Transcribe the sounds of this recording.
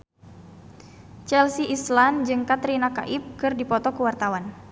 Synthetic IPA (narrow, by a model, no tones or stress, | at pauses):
t͡ʃɛlsiʔisland͡ʒɨŋkat̪ɾinaka̰ʔip̚kɨrdipɔt̪ɔkəwart̪awan